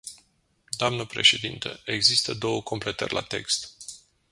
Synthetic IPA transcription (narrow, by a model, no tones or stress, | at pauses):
d̪oamnəpɾe̞̰ʃe̞d̪int̪ə̰e̞ɡzist̪əd̪o̞wəko̞mple̞t̪ə̰rʲlʔa̰t̪e̞kst̪